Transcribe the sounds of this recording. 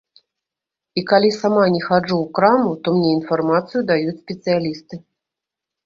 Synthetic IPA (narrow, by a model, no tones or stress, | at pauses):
ikalʲisamanʲɛxad͡ʐuwkɾamut̪ɔmnʲɛinfarmat̪sɨjud̪ajut͡sʲsʲpʲɛt̪sɨjalʲist̪ɨ